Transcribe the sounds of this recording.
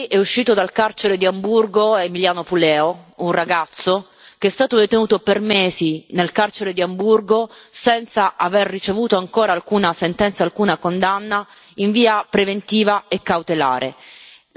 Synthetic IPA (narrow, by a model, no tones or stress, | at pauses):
ʔɛuʃːiːt̪od̪alkart͡ʃeɾed̪iamburɡoemiljaːnopulɛːounraɡat̪sːo | k̟eɛst̪aːt̪od̪et̪enuːt̪opermeːzinelkart͡ʃeɾed̪iamburɡosɛnt̪saʔaverːit͡ʃevuːt̪oaŋkoːɾaːlkuːnasent̪ɛnt̪saːlkuːnakond̪anːa | iɱviːapɾevent̪iːvaekːawt̪ela̰ːɾʔḛ